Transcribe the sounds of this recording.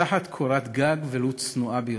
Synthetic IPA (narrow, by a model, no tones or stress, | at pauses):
aħat̪kʰoɾat̪ɡaɡvelut͡snuabej